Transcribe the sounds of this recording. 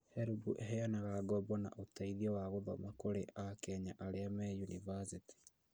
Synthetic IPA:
hɛɾubuʔɛɦɛjanaɣaɡɔbɔna̰ʔotaiðiɔwaɣoðɔmakoɾeʔakɛɲaʔaɾeamɛjunḭvasiti̥

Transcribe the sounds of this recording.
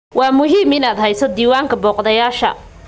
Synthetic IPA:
wɑːmʊɦiːmɪnaːd̪ɦɛjsɔd̪iːwaːŋkʰɐbɔːqd̪ɐjaːʃɐ̰

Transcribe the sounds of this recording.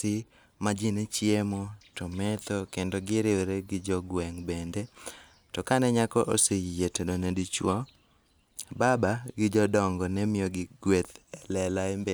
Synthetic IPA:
ɪ | mad͡ʒint͡ʃjemotɔmɛt̪okendoɡɪɾɪweɾeɡɪd͡ʒɔɡwɛŋbende | tɔkanɛɲakɔʔosejetodonedit͡ʃwɔ | babaɡɪd͡ʒɔdɔŋɡɔnɛmɪjoɡɪɡwet̪ɛlɛlaembe

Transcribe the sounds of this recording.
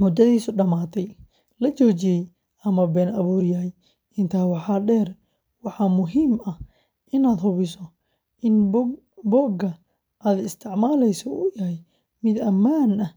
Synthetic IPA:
mʊd̪ɐðiːsʊɖɐmaːt̪ʰɛj | lɐt͡ʃɔːt͡ʃɪjɛj | ɐmɐbɛːnɐβuːɾjaːj | ɪnt̪ʰaːwɑħɑːɖɛːr | wɑħɑːmʊɦiːmɐh | ʔɪnaːd̪ɦʊβɪsɔ | ʔɪn | bɔːɡɐ | ʔaːd̪ɪst̪ʰɪʕmaːlɛjsɔʊjɐɦɛj | mɪd̪ɐmaːnɐ

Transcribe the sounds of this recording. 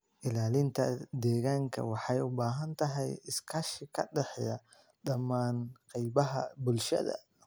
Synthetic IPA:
ʔɪlaːlɪnt̪ʰɐ̰d̪ɛːɣaːŋkʰɐ̰wɑħɑjʊbaːɦɐnt̪ʰɐɦɛjɪskʰɐʃɪkʰɐɖɛħjɐ | d̪ɐmaːnqɛjbɐɦɐbʊlʃɐ̰ðɐ̰

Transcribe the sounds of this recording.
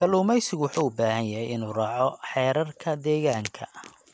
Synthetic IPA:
ɡ̥ɐluːmɛjsɪɣʊwʊħuːʊbaːhɐnjɐɦɛjɪnuːrɑːʕɔħɛːɾɐrkʰɐd̪ɛːɣaːŋkʰɐ̰

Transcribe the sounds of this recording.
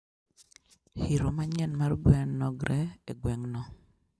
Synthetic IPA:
hiɾomaɲɛnmarɡwɛŋnɔɡɾʔɛeɡwɛŋnɔ

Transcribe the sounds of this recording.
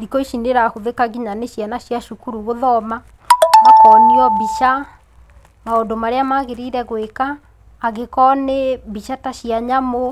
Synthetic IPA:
ɾikɔiʃineɾahoðekaɣiɲaneʃjanaɕjaʃukuɾuɣoðɔma | akɔniɔbiʃa | maondomaɾeamaɣeɾiɾɛɣwekaː | ɣekɔnebiʃataɕijaɲamo

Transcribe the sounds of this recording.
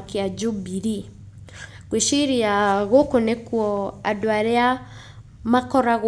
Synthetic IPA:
kiad͡ʒobiɾi | ɣweʃiɾiaɣokonekuɔadoaɾea | makɔɾaɣ

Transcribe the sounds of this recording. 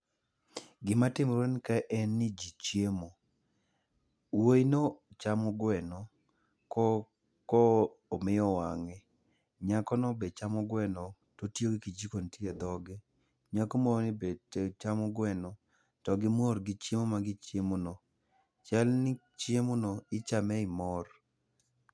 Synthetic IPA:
ɡɪmatɪmɾwonkaʔɛnːɪd͡ʒit͡ʃjemo | woinot͡ʃamʊɡwɛnɔ | kɔ | kɔ | omɪjɔwaŋɛ | ɲakɔnɔbet͡ʃamɔɡwɛnɔ | totjoɡɪkid͡ʒikontied̪ɔɡɪ | ɲakomɔnɪbetet͡ʃamʊɡwɛnɔ | tɔɡɪmoɾɡɪt͡ʃemomaɡɪt͡ʃjemono | t͡ʃɛlnɪ | t͡ʃjemonoɪt͡ʃamɛɪmɔr

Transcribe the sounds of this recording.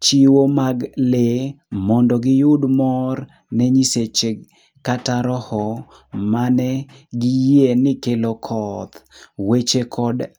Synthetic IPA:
t͡ʃiwomaɡle | mɔndɔɡɪjʊdmɔr | nɛɲiset͡ʃe | kataɾɔhɔ | manɛ | ɡɪjenɪkelokʰɔt̪wet͡ʃekʰɔd

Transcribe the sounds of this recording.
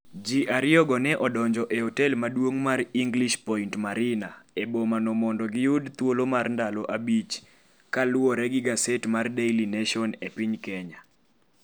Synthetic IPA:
d͡ʒiʔaɾɪɔɡɔnɛʔɔdɔɲd͡ʒɔʔehɔtɛlmadwoŋmariŋɡliʃpɔintmaɾɪnaebomanɔmɔndɔɡɪjʊdt̪wolomarndalɔʔabit͡ʃ | kalʊɔɾɛɡɪɡasetmardejlineʃɔnepiɲkɛɲa

